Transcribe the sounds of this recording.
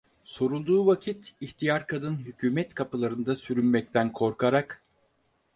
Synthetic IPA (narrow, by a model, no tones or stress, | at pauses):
so̞ɾulˠd̪uːvacʰit̪içt̪ʰijaɾkʰad̪ɯnɦycʰyːmɛt̪kʰapɯlˠaɾɯnd̪asyɾynmɛc̚t̪ʰænkʰo̞ɾkʰaɾak